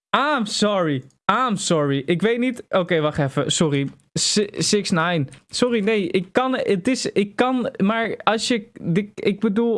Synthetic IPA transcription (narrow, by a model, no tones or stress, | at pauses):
aːmsɔɹi | aːmsɔɹiʔɪkʋejtnitʔowkejʋɑχɛfə̰sɔri | ssɪksnajnsɔrinejʔɪkːɑnətɪsɪkːɑnmaːɹɑlˠsjədəɪɡ̚bədulˠ